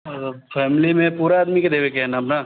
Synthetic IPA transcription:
fʰɛːmɪlimẽpuːɾaaːd̪miked̪eːʋekɛɦɛnaɐpna

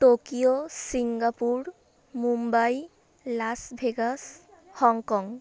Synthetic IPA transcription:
ʈokiosiŋɡapuɾ | mumbaj | lasbʱeɡas | hɔŋkɔŋ

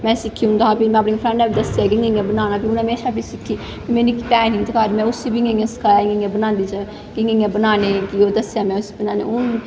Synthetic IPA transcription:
mɛ̃ːsɪkʰːiːɦʊ̃nd̪aːaːpimɛ̃ːpnẽːpʰɾɛ̃ɳaːbiːd̪əsaːk̬ɪŋɡeŋẽːbənaːnaːpiʊnɦəmeːʃaːpisɪkʰːiː | pimɛ̃ːnĩːkpɛːɦĩːt̪əkaːɾmɛ̃ːʊsibɪŋɡẽŋẽsə̥kʰaːjaːɪŋɡeŋẽːbənãːnd̪iːt͡ʃə | kɪŋɡeŋɡẽːbənaːneːkioːd̪əsjaːmɛ̃ːʊsi̥bənaːnḛːʊn

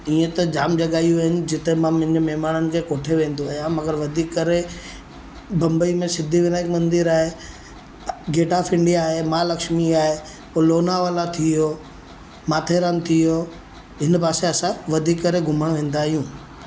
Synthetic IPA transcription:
iːẽt̪ɐd͡ʑaːmd͡ʑɐɠaːijuɐɦɪnɪ̆d͡ʑɪt̪emãmʊ̃ɦɪ̃d͡ʑmɛɦmaːnənɪ̆kʰeːkoːʈʰeʋẽːnd̪oaːɦjãmɐɡəɾʋɐd̪ʱiːkːɐɾe | bɐ̃mbəimẽsɪd̪ʱiʋɪnaːɪkmɐ̃nd̪ɪɾaːɦe | ɡeːʈafɪ̃ɳɖijaːɦemaːlɐkʃmiaːɦe | oloːnaʋaːlat̪ʰiɦoː | maːt̪ʰeːɾant̪ʰiɦoː | ɦɪnpaːseɐsãʋɐd̪ʱiːkːɐɾeɡʱʊməɽ̃ʋẽːn̆d̪aːɦijũː

